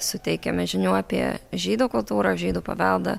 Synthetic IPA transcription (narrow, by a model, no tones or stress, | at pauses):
sʊt̪ʲɛɪkʲɛmʲɛʒʲɪnʲuːɑːpʲḭɛ̰ʒʲiːd̪uːkʊlˠt̪uːɾɐʒʲiːd̪uːpɐ̰ʋʲɛlˠd̪ɐ̰